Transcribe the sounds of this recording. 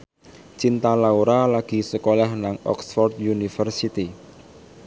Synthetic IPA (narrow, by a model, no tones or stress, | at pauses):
t͡ʃint̪alauɾalaɡ̥i̤səkolahnaŋɔ̰ksfɔrd̪junifərsit̪i